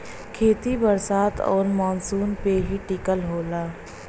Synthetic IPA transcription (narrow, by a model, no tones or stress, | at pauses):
kʰeːt̪ibəɾsaːt̪ʰɔ̰ːɾmɔːnsuːnpeɦiʈɪkəlɦoːlaː